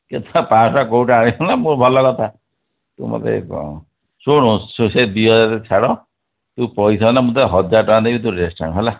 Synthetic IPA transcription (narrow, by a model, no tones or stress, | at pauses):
ket̪ʰapãsakowʈaɾibɔnamũɾbʱɔlɔkɔt̪ʰa | t̪ṵ̃mɔ̰t̪ḛ | soɽ̃õsoselbiɔd͡ʒat̪et͡ʃʰaɽɔ | t̪ũpɔjsɔnamũt̪̬ɦɔd͡ʒaɾʈɔãd̪ebit̪̬ũɾesʈa̰ŋɦela